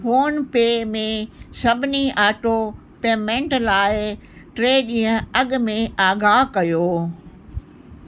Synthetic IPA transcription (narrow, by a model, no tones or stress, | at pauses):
foːnpeːmẽsɐbʱɪniʔaːʈo | peːmẽːɳʈlaːɪ | ʈɾeːɗĩːə̃ɐɠmẽaːɡaːɦkɐjoː